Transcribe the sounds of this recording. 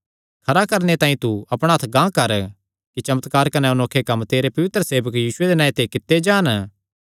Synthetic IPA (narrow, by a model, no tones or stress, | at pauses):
kʰɐɾakɐɾnet̪ãːĩt̪uɐpɽ̃aɦɐt̪ʰɡãːkɐɾ | kit͡ʃɐmət̪kaːɾkɐneʊnoːkʰːekɐmt̪eːɾepɐʋɪt̪ɾəseːʋəkjiːsʊed̪enãːet̪ekɪt̪ːed͡ʒaːn